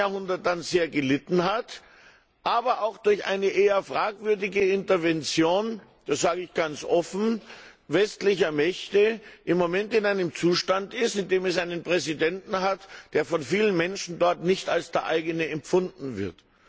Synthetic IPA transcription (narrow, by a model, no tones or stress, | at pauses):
ahʊndɐt̚d̥anzeːɐɡəlɪtn̩ɦat | ʔaːbɐʔaʊxd̥ʊɐçʔa̰ɪnəʔeːɐfʁ̥aːkv̥ʏɐdɪɡəɪntɐvɛnt͡sjoːn | d̥asz̥aːɡəɪçɡ̥ant͡sʔɔfn̩vɛstlɪçɐmɛçtəʔɪmːomɛntɪnaɪnəmt͡suːʃtantɪstɪndeːmɛs̬ʔaɪnənpʁ̥ɛzidɛntn̩ɦatd̥eːɐfɔnfiːlənmɛnʃn̩dɔɐtnɪçtalsd̥eːɐʔaɪɡənəɛmpfʊndn̩vɪɐt